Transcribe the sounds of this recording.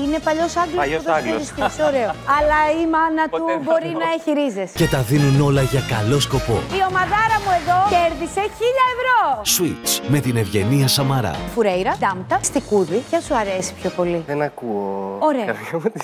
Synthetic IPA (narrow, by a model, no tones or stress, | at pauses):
ine̞pɐʎo̞sɐŋɡlooðeɡsistisoɾe̞oɐlɐimɐnɐt̪ubo̞ɾinɐeçiɾizesce̞t̪ɐðinuno̞lɐʝɐkɐlo̞sko̞po̞̰io̞mɐðɐɾɐmue̞ðo̞ce̞ɾðise̞çiʎɐevɾoswit͡sme̞t̪ine̞vʝe̞niɐsɐmɐɾɐ̰fuɾe̞jɾɐd̪ɐmt̪ɐst̪ikuðicɐsuɐɾe̞si̥pço̞po̞liðenɐkuooɾeoɐɐt̪i